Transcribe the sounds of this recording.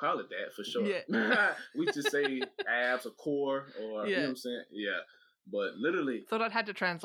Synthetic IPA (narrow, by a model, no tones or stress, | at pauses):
pʰɹ̥ɑbəliðɨtfə˞ʃʊɹ | wid͡ʒʌseɪæbzəkʰɔɹəʉ̃sɛ̃t̚jæ | b̥ʌt̚lɪɾə˞l̩ˠiθɔɾaɪɨd̚tɨtʰɹ̥æ̃ns